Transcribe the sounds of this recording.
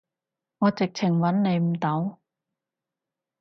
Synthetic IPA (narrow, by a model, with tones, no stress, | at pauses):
ŋɔː˨˧t͡sɪ˨k̚t͡sʰɪ˨˩ŋwɐ˨˥nne˨˧jm̩˨˩t̪ɐ˨˥w